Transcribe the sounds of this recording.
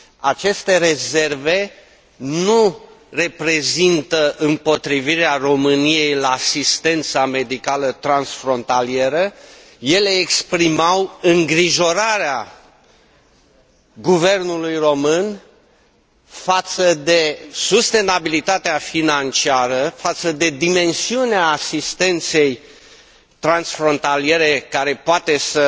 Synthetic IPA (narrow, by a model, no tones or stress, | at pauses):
at͡ʃe̞st̪e̞ɾe̞ze̞rve̞ | nu | re̞pɾe̞zint̪əʔɨmpo̞t̪ɾiviɾearo̞mɨnije̞jlaːsist̪e̞nt̪same̞d̪ikalət̪ɾansfɾo̞nt̪alie̞ɾə | je̞le̞ːkspɾimawɨŋɡɾiʒo̞ɾaɾea | ɡuve̞rnulujro̞mɨn | fat̪səd̪e̞sust̪e̞nabilit̪at̪eafinant͡ʃiaɾəfat̪səd̪e̞d̪ime̞nsiuneaːsist̪e̞nt̪se̞j | t̪ɾansfɾo̞nt̪alie̞ɾe̞kaɾe̞poat̪e̞sə